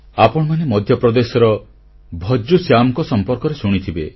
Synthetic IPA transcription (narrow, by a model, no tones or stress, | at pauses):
apɔɽ̃ɔmanemɔd̪ʱjɔpɾɔd̪esɔɾɔ | bʱɔd͡ʒusjamɔkɔsɔmpɔɾkɔɾesuɽ̃it̪ʰibe